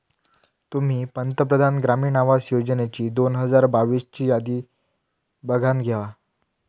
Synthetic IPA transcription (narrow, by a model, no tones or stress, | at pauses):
t̪um̤iːpənt̪əpɾəd̪ʱanɡɾamiːnaʋasjod͡zənet͡ɕiːd̪onɦəd͡zaɾbaʋiːst͡ɕiːjad̪iː | bəɡʱãnɡʱjaʋa